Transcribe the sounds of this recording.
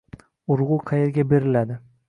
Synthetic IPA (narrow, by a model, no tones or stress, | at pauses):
ʊɾʁuqʰɑjeɾɡʲabe̞ɾɪlad̪ɪ